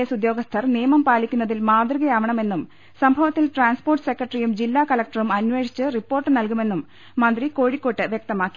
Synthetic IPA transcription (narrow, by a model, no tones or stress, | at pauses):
esud̪jo̞ːɡɐst̪ʰɐrnijɐmɐmpaːlikʲːunːɐðilmaːd̪riɣɐjaːʋɐɳɐme̞nːum | sɐmbʱɐʋɐt̪ːilʈraːnspo̞ːrʈɨsekːrɐʈrijumd͡ʑilːaːkɐlɐk̚ʈɐrumɐnːʋe̞ːʂʰi̥t͡ɕːɨripːo̞ːrʈːɨnɐlkume̞nːumː | ɐnd̪riko̞ːɻikʲːo̞ːʈːɨʋjɐk̚t̪ɐmaːkːi̥